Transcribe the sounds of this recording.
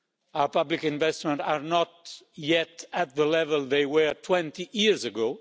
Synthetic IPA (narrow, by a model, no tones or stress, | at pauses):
aʊə˞pʌblikɪ̃nvɛstmə̃ntaɹnɔt̚ | jɛtɨt̪̚ðəlɛvəlˠðeɪwə˞tʰwɛ̃ntijiɹzɨɡoʊ